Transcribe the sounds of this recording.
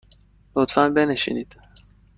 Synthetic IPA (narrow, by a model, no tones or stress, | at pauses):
lot̪fænbe̞neʃḭnid̪̥